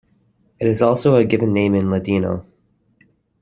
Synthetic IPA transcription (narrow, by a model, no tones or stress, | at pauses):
ɨɾɨzɔlˠsoʊɨɡɪvɨ̃nːẽɪ̃mɨ̃nlədino̰ʊ